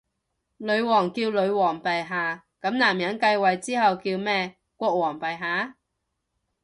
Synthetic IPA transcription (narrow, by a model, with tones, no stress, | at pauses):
lɵ˨˧˥ɥwɔː˨˩ŋkiː˧wlɵ˨˧˥ɥwɔː˨˩ŋpɐ˨jɦaː˨ | kɐ˨˥mnaː˨˩mjɐ˨˥nkɐ˧jwɐ˨jt͡siː˥hɐ˨wkiː˧wmɛː˥ | kʷɔː˧k̚wɔː˨˩ŋpɐ˨jɦaː˨˥